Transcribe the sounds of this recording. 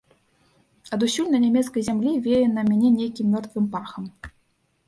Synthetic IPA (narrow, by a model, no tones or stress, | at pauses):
ɐd̪usʲulʲnɐnʲamʲɛt̪skɐjzʲamlʲivʲɛjɛnɐmʲænʲɛnʲejkʲimːʲɔrt̪vɨmparxɐm